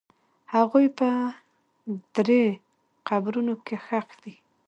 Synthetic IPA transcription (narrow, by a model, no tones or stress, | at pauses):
haɣujpə | d̪̥ɾe | qabɾunokexaqd̪i